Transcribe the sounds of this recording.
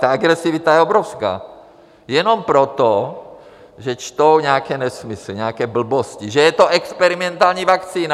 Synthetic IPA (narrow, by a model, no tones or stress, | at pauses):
t̪aaɡɾɛsivit̪ajɛobɾofska̰ː | jɛnompɾot̪o | ʒɛt͡ʃt̪owɲɛakɛːnɛsmisliɲɛakɛːbl̩bosciʒɛjɛt̪oʔɛkspɛɾimɛnt̪alɲiːvakt͡siːna